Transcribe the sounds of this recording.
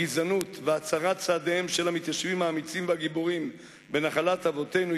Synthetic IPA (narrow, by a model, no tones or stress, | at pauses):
izanut̪veat͡saʁat͡saːd̪eemʃelhamit̪jaʃvimaːmit͡simvaɡibuʁim | be̞naχalat̪havo̞t̪e̞jnu